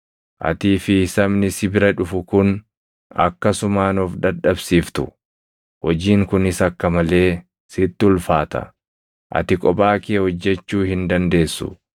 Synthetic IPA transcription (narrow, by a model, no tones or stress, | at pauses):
ʔɐ̰t̪iːfɪsɐbnɪsɪbɪɾɐᶑʊfʊkʊn | ɐ̰kːɐsʊmaːnɔːfd̪ɐᶑɐbsiːft̪ʊ | hɔd͡ʒiːŋkʊnɪsɐkːɐmɐle̞ː | sɪt̪ːɪʊlfaːt̪ɐ̰ | ʔɐ̰t̪ɪkʼɔbʼaːkeːhɔd͡ʒːɛt͡ʃːuːhɪnd̪ɐnd̪e̞ːsːʊ̰